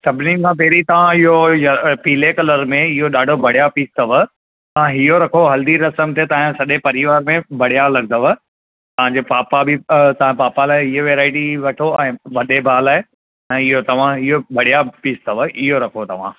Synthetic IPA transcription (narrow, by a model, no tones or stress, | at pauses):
sɐbʱɪnikʰãːp̬ɛɦɾit̪ɐʋ̤ãɪɦojɐpiːlekɐləɾmẽɪɦoɗaːɖʱobʱɐɽ̤ijapiːst̪əʋə | t̪ɐãɦɪɦoɾɐkʰoɦɐld̪iɾɐsəmt̪et̪ɐɦsɐɗepɐɾɪʋaːɾmẽbʱɐɽ̤jalɐɡ̚d̪əʋə | t̪ɐʋ̤ãɲd͡ʑepaːpabɪt̪ɐʋ̤ãpaːpalaːeɪɦoʋeːɾaːɪʈiʋɐʈʰoɛ̃ːʋɐɗebʱaːlaːe | ɛ̃ːɪɦot̪ɐʋ̤ãɪɦobʱɐɽ̤ijapiːst̪ʰəʋəʔɪɦoɾɐkʰot̪ɐʋ̤ã̰